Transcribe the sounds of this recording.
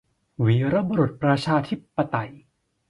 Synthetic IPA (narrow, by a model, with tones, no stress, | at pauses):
wiː˩˦ɾa˧bo˧ɾu˨˩t̪̚pɾa˧t͡ɕʰaː˧t̪ʰi˦˥pːa˧t̪a˨˩j